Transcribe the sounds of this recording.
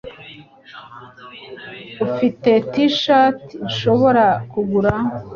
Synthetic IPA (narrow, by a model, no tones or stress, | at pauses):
ufite̞tiʃatiʃoβo̞ɾakuɡuɾa